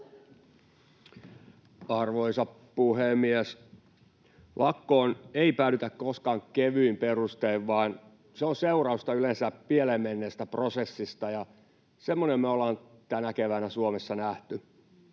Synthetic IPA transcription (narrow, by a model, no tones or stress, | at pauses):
ɑrʋoisɑp | puhemies | lʔɑkːoːneipæːlyt̪ækkoskɑŋkeʋyimperust̪eiʋʋɑːn | seonseurɑust̪ɑylensæpielemːenːest̪æprosesːist̪ɑjɑ | semːonemmæolɑːnt̪ænækeʋænæsuomesːɑnæht̪y